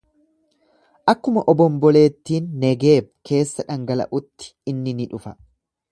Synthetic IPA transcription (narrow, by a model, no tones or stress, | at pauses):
ʔɐkːʊmɐʔɔbɔmbɔle̞ːt̪ːiːnːɛɡe̞ːb̚ke̞ːsːɐᶑɐŋɡɐlɐ̰ʔʊt̪ːɪ̥ɪnːɪnɪᶑʊfɐ